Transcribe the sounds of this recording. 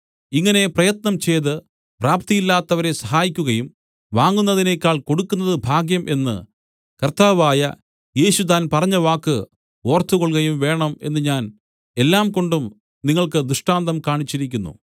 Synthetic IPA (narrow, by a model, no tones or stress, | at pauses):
iŋːɐne̞prɐjɐt̪nɐmt͡ɕe̞jt̪ɨ | praːp̚t̪ijilːaːt̪ːɐʋɐɾe̞sɐɦaːjikʲːuɣɐjum | ʋaːŋɡːunːɐðine̞kʲːaːɭko̞ɽukːunːɐðɨbʱaːɡjɐmʔe̞nːɨ̰ | kɐrt̪aːʋaːjɐ̰ | je̞ːɕut̪̬aːnpɐrɐɲːɐʋaːkːɨ | o̞ːrt̪ːuɣo̞ɭɣɐjumʋe̞ːɳɐme̞̰nːɨɲaːn | e̞lːaːmko̞ɳɖum | niŋːɐɭkɨd̪ɾuʂʈaːnd̪ɐmkaːɳit͡ɕːiɾik̬ʲːunːṵ